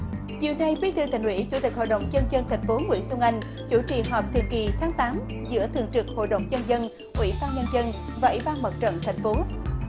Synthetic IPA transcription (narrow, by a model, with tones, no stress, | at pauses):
zi˨˩əwna˨˩jɓi˧˦t̪ʰɨ˨ət̪ï˨˩ŋ̟hwḭ˧˥t͡ɕu˧˩t̪i˨˩k̟ho̰˧˨jɗə˧˨wŋ͡mt͡ɕə˧nzə˧nt̪ʰa˨˩jŋ̟fo˨˦ŋwḭ˧˥su˧ŋʔa˧jŋ̟ | t͡ɕu˧˩t͡ɕḭ˧˨ɦɔ˨˩p̚t̪ʰḭ˧˨ənki˨˩t̪ʰaː˨˦ŋt̪aː˨˦m | zɨ̰˧˥ət̪ʰɨ̰˨˧˩əŋt͡ɕɨ˨˩k̚ho̰˧˨jɗə̰˧˨wŋ͡mzə˧nzə˧n | ŋwḭ˧˩ɓaː˧nɲə˧nzə˧n | vaː˨˩ʔwḭ˧˩˥ɓaː˧nmə˨˩t̚t͡ɕə̰˧˨nt̪ʰa˨˩jŋ̟fo˨˦